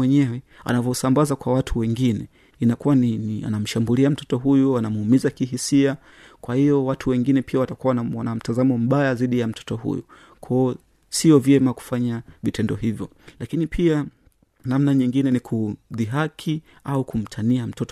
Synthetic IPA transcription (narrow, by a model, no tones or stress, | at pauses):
wɛɲɛwɛa̰navɔsambazakwawatʰuwɛŋɡinɛ | inakuwaninia̰nam̩ʃambuliam̩tɔtɔɦujuanamumizakiɦisia | kwahijɔwatʰuwɛŋɡinɛpʰiawatakuawwanam̩tazamɔm̩ɓajaziɗijam̩tʰɔ̥tɔhṵjṵ | kʰɔː | siɔvjɛmaku̥faɲavitɛndɔɦivjɔ | lʔakinipʰia | namnaɲiŋɡinɛnikʰuðiɦakʰi | aukum̩tʰaniam̩tɔt